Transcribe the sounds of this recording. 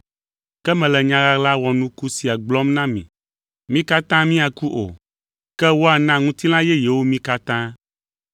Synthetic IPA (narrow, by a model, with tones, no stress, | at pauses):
kɛ˦mɛ̃˨lɛ˨ɲã˦ɣa˦la˦wɔ˨nũ˦ku˦si˨a˨ɡ͡blɔ˦mnã˦mḭ̃˨ | mĩ˦ka˦t̪ã˦mĩ˦a˨ku˦ʔo̰˨ | kɛ˦wo˦a˨nã˦ŋũ˦t̪i˦l̃ã˦jɛ˦jɛ˨wo˦mĩ˦ka˦t̪ã˦